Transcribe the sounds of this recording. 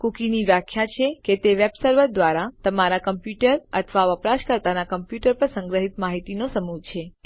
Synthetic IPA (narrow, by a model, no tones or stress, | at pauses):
kukiniʋjakʰːjat͡ʃʰeket̪eʋebsəɾʋəɾd̪ʋaɾat̪əmaɾakəmpjuʈəɾə̰t̪ʰʋaʋəpɾaʃkəɾt̪anakəmpjuʈəɾpəɾsə̃ŋɡɾəɦit̪maɦit̪inosəmud͡ʒt͡ʃʰe